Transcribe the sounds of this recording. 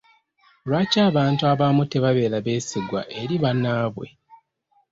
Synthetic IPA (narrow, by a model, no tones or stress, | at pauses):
olwaːcaːβaːntuaβamute̞βaβe̞ːlaβe̞ːsiɡwa̰ʔe̞ɾiβanaːβwe̞̰